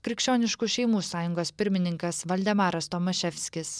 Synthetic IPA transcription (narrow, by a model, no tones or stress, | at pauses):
kʲɾʲɪkʃʲt͡ʃʲoːnʲɪʃkuʃʲɛɪmuːsɑːjʊŋɡoːspʲɪɾʲmʲɪnʲɪŋkɐsʋɐlʲd̪ʲɛmɑːɾɐst̪omɐʃʲɛfʲsʲkʲɪs